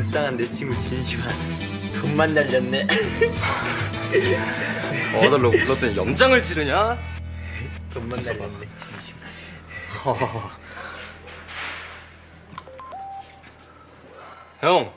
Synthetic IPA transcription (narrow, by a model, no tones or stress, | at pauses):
s͈aŋɦande̞t͡ɕʰiɡut͡ɕinɕʰimɦan | tommanːaʎːʌnːe | dʌɭːonʌt͈ʰɯnjʌmd͡ʑaŋɯɭt͡ɕiɾɯɲa | tommanːaʎːʌnːet͡ɕinɕʰi̥ma | hʌŋ